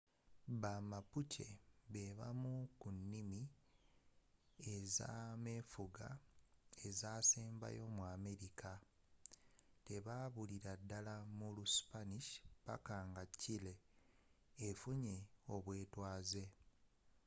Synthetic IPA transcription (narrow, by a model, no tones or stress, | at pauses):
βamapucʰe̞βe̞βa̰mukunːimi | eza̰me̞ːfuɡa | ezaːseːmba̰jo̞mwaːme̞ɾikʰa | te̞βaβuliɾadːalamuluspaniʃpa̰kaːŋɡacːile̞ː | fuɲe̞o̞βwe̞ːtwaːze̞